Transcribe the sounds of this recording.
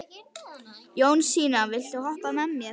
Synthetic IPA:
joːwnsiːnavɪlt̪uhɔhpamɛmːjɛɾ

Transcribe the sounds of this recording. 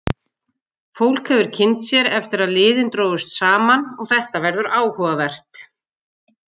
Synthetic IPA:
fowl̥khɛvʏɾ̥cʰɪnt̪sjɛɾɛft̪ɪɾaðlɪːðɪnt̪ɾoːwvʏst̪saːmanɔɣθɛht̪avɛɾðʏɾaːwhɔvavɛr̥t̪

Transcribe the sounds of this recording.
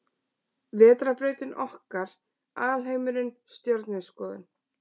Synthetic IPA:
vɛːt̪ɾapɾœːɥt̪ɪnʔɔhkaɾ̥ | aːlɦejmʏɾɪnst̪jœɾt̪nɪskɔːðɪ̰n

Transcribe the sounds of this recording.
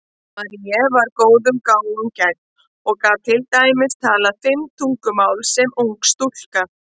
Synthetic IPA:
maɾijɛvaɾkoːwðʏmkaːwlʏmcɛk̚n | ɔɣkaːðt̪ʰɪlt̪aːjmɪst̪ʰaːlafɪmt̪ʰuŋkʏmaːwlsɛmuŋkst̪ul̥ka

